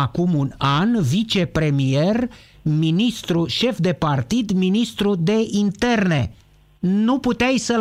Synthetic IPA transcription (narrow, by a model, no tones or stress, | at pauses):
akumunanvit͡ʃe̞pɾe̞mije̞r | minist̪ɾuʃe̞fd̪e̞part̪id̪minist̪ɾud̪e̞ʔint̪e̞rne̞̰ | nuput̪eajsəl